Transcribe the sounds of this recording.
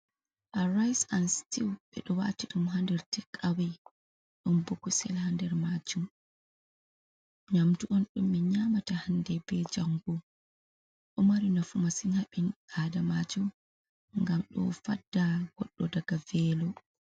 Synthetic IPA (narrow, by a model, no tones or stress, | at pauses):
ʔaɾajsanstiwɓɛ̰ɗɔwa̰tiɗumɦandɛɾtikʼːawaj | ɗumboɡusɛlhandɛɾmad͡ʒum | ɲamtuʔɔnɗumːiɲamatahandɛbɛd͡ʒaŋɡu | ɗɔmaɾinafumasinaɓinʔadamad͡ʒum | ŋɡamɗɔ̰fadːaɡ̥ɔɗːɔdaɡavɛːlɔ